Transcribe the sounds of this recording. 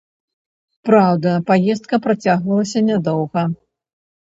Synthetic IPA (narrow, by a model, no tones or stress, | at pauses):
pɾawd̪ɐpajɛst̪kɐpɾat͡sʲaɣvɐlˠɐsʲɐnʲad̪ɔwɣɐ